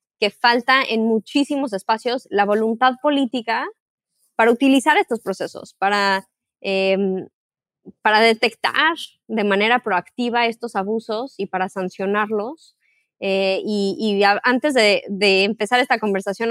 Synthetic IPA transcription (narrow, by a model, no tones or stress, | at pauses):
ke̞falt̪aʔe̞nmut͡ʃisimo̞s̬e̞spasjo̞slaβo̞lunt̪aðpo̞lit̪ika | paɾaut̪ilisaɾe̞st̪o̞spɾo̞se̞so̰spaɾa | em | paɾaðe̞t̪e̞kt̪a̰ɾ | ðe̞mãne̞ɾapɾo̞akt̪iβ̞ae̞st̪o̞saβuso̞sipaɾasansjo̞naɾlo̞s | eiːaant̪e̞zðeðe̞ːmpe̞saɾe̞st̪ako̞mbe̞ɾsasjo̞n